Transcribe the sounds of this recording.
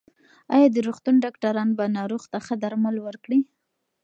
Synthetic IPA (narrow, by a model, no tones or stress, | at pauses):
ɑjɑd̪əɾoxt̪unɖɑkʈaɾɑnbanɑɾoɣt̪axəd̪aɾmalwəɾkɽi